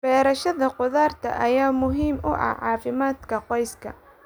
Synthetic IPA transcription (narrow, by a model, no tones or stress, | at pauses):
b̥ɛːɾɐʃɐðɐqʊðaːrt̪ʰɐ̰ʔɐjaːmʊɦiːmʔʊʔɐ̰ʕɑːfɪmaːd̪kʰɐqɔjskʰɐ̰